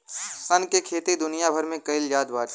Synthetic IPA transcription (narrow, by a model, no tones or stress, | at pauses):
sɐnkekʰeːt̪id̪ʊnɪjabʱəɾmẽkɐɪljaːd̪ʋaːɾ